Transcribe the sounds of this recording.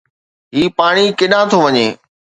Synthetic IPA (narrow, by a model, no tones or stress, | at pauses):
ɦiːpaːɽ̃ikɪɗãt̪ʰoʋɐɲeː